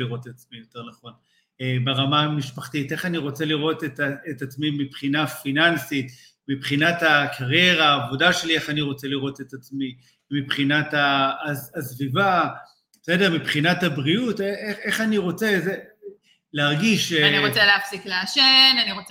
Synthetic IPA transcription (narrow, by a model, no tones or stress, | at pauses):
iʁo̞tetat͡smijo̞te̞ʁnaχo̞n | ebeʁamamiʃpaχtite̞χaniʁo̞t͡se̞liʁo̞tetaetat͡smimipχinafinansit | mipχinatakʰaʁje̞ʁaːvo̞daʃe̞lie̞χaniʁo̞t͡se̞liʁo̞tetat͡smi | mipχinataːzːsviva | edeʁmipχinathabʁiuteee̞χaniʁo̞t͡seze | leaʁɡiʃaniʁot͡seleafsikleaʃenaniʁo